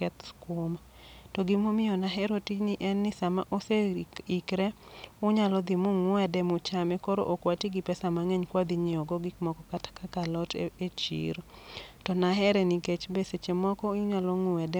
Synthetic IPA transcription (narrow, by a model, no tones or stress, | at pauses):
kɛt̪skwoma | tɔɡimomɪjɔnaɦɛɾotiniʔɛnːɪsamaʔoseikɾɛʊɲalɔd̪ɪmʊŋʊɛdɛmʊt͡ʃamɛkɔɾo̰ʔokwatiɡipɛsamaŋɛɲkwad̪iɲɪɔɡɔɡikmɔkɔkatḁkakalɔtet͡ʃḭɾtɔnaɦɛɾɛniket͡ʃbeset͡ʃemɔkɔɪʊɲalɔŋʊɛdɛ